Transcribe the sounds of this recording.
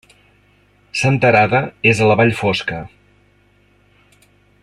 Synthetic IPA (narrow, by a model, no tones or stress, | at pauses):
sənt̪əɾaðəezələβaʎfoskə